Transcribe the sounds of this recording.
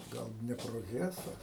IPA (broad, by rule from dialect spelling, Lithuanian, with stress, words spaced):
ˈɡɐlˠ ˌdʲnʲæːproːˈɣʲæːsɐ